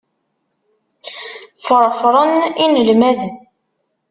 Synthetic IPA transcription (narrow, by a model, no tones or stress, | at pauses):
fəɾˤfɾˤəninəlmæðən